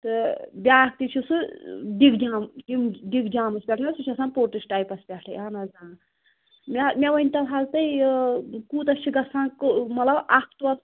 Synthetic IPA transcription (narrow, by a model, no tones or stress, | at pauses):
t̪ɨbʲaːk̚t̪it͡ʃʰusɨɖiɡd͡ʒaːmɖimɖiɡd͡ʒaːmɐspʲɛʈʰjɐsut͡ʃʰɐsãːpoːɾʈisʈajpɐspʲɛʈʰɐjaːnɐzãː | mɛmʲɛʋɐnʲt̪ɐlɦalt̪ɐj | kuːt̪ɐʃʰiɡɐsãːkmɐt̪lɐbakʰt̪uɐs